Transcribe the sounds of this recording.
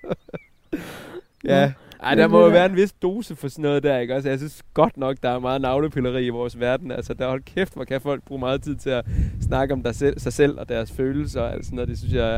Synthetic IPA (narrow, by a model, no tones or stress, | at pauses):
jæʔɑ̰̈ɪd̥ɑmɒjoʋæːɐe̝nʋe̝sd̥o̝ːsəfɒ̽sɔnɔ̽ːð̞̩ˠd̥æɐe̝ɡ̥ɒ̽s̬əjɑ̈ɪsynsɡ̥ɒ̽d̥nɒ̽ɡ̥d̥ɑ̈æɐmɑ̈ːð̩ˠnɑ̈ʊləpʰylɐʁḭːiʋɒːsʋæɐd̥n̩ælsəd̥æhɒ̽l̰ɡ̥̚kʰefd̥fɒ̽kʰæfɒ̽l̰ɡ̥̚b̥ʁṵːmɑ̈ːð̩ˠt͡sʰið̞̰ˠt͡sʰe̝æsnɑ̈ɡ̥əɒ̽md̥ɑesɑ̈ɪsel̰ɒ̽d̥æɐsføːl̩səɒ̽æ̰l̰d̥snɔːðˠd̥e̝synsjɑ̈ɪ